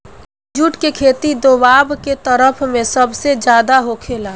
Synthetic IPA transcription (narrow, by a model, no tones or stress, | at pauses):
d͡ʒuːʈkekʰeːt̪id̪oːbaːbket̪əɾəpʰmẽsəbsed͡ʒjaːd̪aɦokʰeːlaː